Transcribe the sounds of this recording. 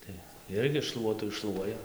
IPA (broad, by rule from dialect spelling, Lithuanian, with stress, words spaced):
ˈtɐɪ ˈɪrʲɡʲɪ ˈʃlˠuɔtʊ ɪʃˈʃlˠuɔjɛ